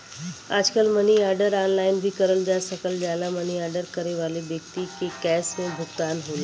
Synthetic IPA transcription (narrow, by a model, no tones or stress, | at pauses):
a̰d͡ʒkəlməniaɾɖəɾanlainbʱiːkəɾəld̪jasəkəld͡ʒalaməniaɾɖəɾkəɾeʋalebjək̚t̪ikekɛsmẽbʱuɡt̪anɦole